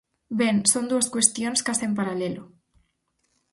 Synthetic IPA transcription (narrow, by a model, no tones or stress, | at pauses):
beŋsond̪uaskwest̪jonskasempaɾalelʊ